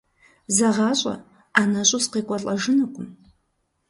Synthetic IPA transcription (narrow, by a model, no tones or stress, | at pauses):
zɐʁɑːɕʼɐ̰ | anɐɕʷʼʊsqeːkʷʼɐrɬʼɐʒɨnɨkʷʼʊm